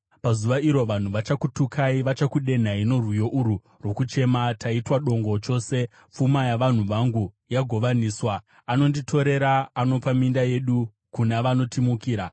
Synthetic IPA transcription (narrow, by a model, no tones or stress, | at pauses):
pazuʋaiɾo̞ʋan̤uʋat͡ʃakutukʰaiʋat͡ʃakuɗe̞n̤aino̞rwijo̞ʔuɾu | ro̞kut͡ʃe̞mataitwaɗo̞ŋɡo̞t͡ʃo̞ːse̞ | p͡fumajaʋan̤uʋaŋɡu | jaɡʱo̞ʋaniːswaː | no̞nditʰo̞ɾe̞ɾaːno̞pamindaje̞ɗu | kunaʋano̞timukiːɾa